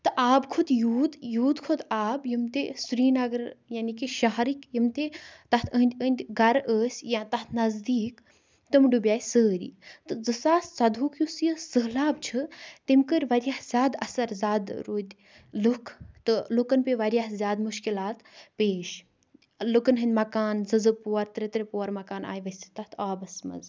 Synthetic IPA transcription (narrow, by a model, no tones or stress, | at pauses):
t̪ɨʔaːbkʰud̪juːd̪juːd̪kʰod̪aːbjimt̪esuɾiːnɐɡəɾjanikiʃaɦɾikjimt̪et̪ɐt̪ʰə̃ːnʲd̪ʲəːnʲd̪ʲɡɐɾəːsʲjãt̪ɐt̪ʰnɐzd̪iːk | t̪ɨmɖubʲjaːjsəːɾḭːt̪ɨd͡zɨsaːssɐd̪ʱuːkʰjusjəsəɦlaːb̚t͡ʃʰɨt̪imkəɾʲʋɐɾijahz̥ʲaːd̪ɐ̰sɐɾzʲaːd̪ɾoːd̪ʲ | lukʰt̪ɨlukɐnpeʋɐɾʲjahzʲjaːd̪muʃkilaːt̪peːʃ | lukɐnɦɨnd̪ʲmɐkaːnzɨzɨpoːɐɾt̪ɾet̪ɾepoːɐɾmɐkaːnʔa̰ːjʋɐsʲi̥t̪ɐt̪ʰaːbɐsmɐ̰z